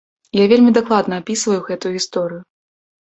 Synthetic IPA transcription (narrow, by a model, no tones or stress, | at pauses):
javʲelʲmʲid̪aklˠad̪nɐapʲisvɐjuɣɛt̪ujuɣʲist̪ɔɾɨjʊ